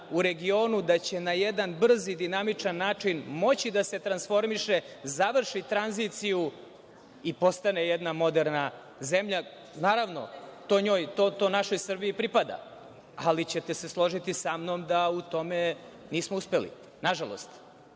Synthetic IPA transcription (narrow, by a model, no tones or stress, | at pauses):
uɾe̞ɡio̞ːnud̪at͡ɕe̞najed̪anbr̩zid̪inamit͡ʂanːaːt͡ʂinmo̞t͡ɕid̪ase̞t̪ɾansfo̞ɾmiʃezaʋr̩ʃit̪ɾanzit̪siju | ipo̞st̪anejed̪namo̞d̪eɾna | ze̞mʎa | naːɾaʋno̞̰t̪oɲoːjt̪ot̪onaʃo̞jsr̩biipɾipad̪a̰ | alit͡ɕet̪ese̞slˠo̞ʒit̪isamno̞md̪aut̪o̞me | niːsmouspe̞lḭ | naʒalˠo̰st̪